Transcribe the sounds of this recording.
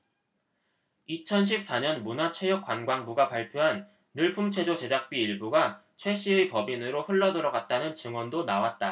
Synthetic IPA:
it͡ɕʰʌnɕ̬ʰip̚s͈aɲʌnmunat͡ɕʰwe̞jʌk͈wanɡwaŋbuɡapaɭpʰjoɦanː | ɯɭpʰumt͡ɕʰwe̞d͡ʑot͡ɕe̞d͡ʑak̚p͈iːɭbuɡat͡ɕʰwe̞ɕ͈ʰiɯpʌbinɯɾoɸɯɭːʌdɯɾʌɡat̚t͈anɯnt͡ɕɯŋwʌndonawat̚t͈a

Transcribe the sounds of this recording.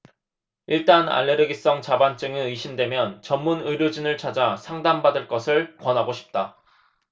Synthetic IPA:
iɭt͈ana̰ɭːeɾɯɡis͈ʌŋt͡ɕabant͡ɕ͈ɯŋeɯɕʰimdwe̞mjʌnt͡ɕʌmːunɯɾjod͡ʑinɯɭt͡ɕʰad͡ʑasʰaŋdambadɯɭk͈ʌsʰɯɭkwʌnɦaɡoɕʰi̥p̚t͈a

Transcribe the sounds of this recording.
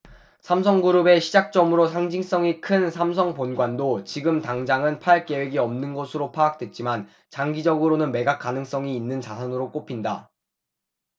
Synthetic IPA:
sʰams̬ʰʌŋɡuɾɯbe̞ɕʰid͡ʑak̚t͡ɕ͈ʌmɯɾosʰaŋd͡ʑiŋs͈ʌŋikʰɯnsʰamsʰʌŋponɡwandot͡ɕiɡɯmtaŋd͡ʑaŋɯnpʰaɭk͈e̞we̞ɡiʌmnɯnɡʌsʰɯɾopʰaːk̚t͈wet̚t͡ɕ͈iman | t͡ɕaŋɡid͡ʑʌɡɯɾonɯnme̞ɡak͈anɯŋs͈ʌŋiːnːɯnt͡ɕasʰʌnɯɾok͈opʰinda

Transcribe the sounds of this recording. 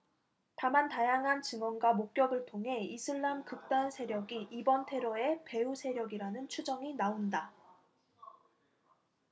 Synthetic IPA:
tamantajaŋɦant͡ɕɯŋʌnɡwamok̚k͈jʌɡɯɭtʰoŋɦe̞isʰɯɭːamkɯk̚t͈ansʰe̞ɾjʌɡiʔibʌntʰe̞ɾoe̞pe̞usʰe̞ɾjʌɡiɾanɯnt͡ɕʰud͡ʑʌŋinaonda

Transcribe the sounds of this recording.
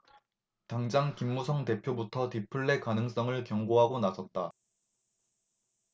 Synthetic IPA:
taŋd͡ʑaŋkimːusʰʌŋte̞pʰjobutʰʌtipʰuɭːe̞kanɯŋs͈ʌŋɯɭkjʌŋɡoɦaɡonasʰʌt̚t͈a

